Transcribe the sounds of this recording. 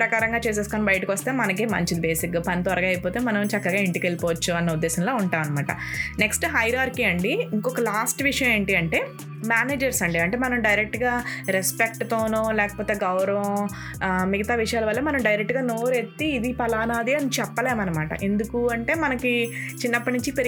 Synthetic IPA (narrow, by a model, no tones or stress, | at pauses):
pɾɐkaːɾɐŋɡaːt͡ʃeːs̬eskonɐbɐjʈikʋɐst̪e̞ːmɐnɐkemɐ̰ɲt͡ʃid̪ibe̞ːsikɡaːpɐnit̪ɔɾɐɡɐjpoːt̪eːmɐnɐmt͡ʃɐkːɐɡaːiɳʈikelipoːʋɐt͡ʃːuɐnːɐud̪ːɛːsɐnlo̞ːuɳʈaːmɐnɐmaːʈɐ̰neksʈɦɐjɾaːɾkiɐɳɖiiŋkɔkɐlaːsʈʋiʂɐjɐ̃me̞ːɳʈiɐɳʈe̞ː | maːneːd͡ʒɐɾsɐɳɖiɐɳʈe̞ːmɐnɐmɖɐjɾek̚ʈɡaːɾespek̚ʈt̪oːnoːlɛːkɐ̥poːt̪e̞ːɡɐwɾɐʋɐ̃ | miɡɐt̪aːʋiʂɐjaːlɐʋɐlːɐmɐnɐmɖɐjɾek̚ʈɡaːnoːɾe̞t̪ːiːd̪ipɐlaːnaːd̪iɐnit͡ʃɛpːɐleːmɐnɐmaːʈɐ̰ʔe̞nd̪ukuɐɳʈe̞ːmɐnɐkit͡ʃinːɐpːɐʈnuɲt͡ʃipeɾ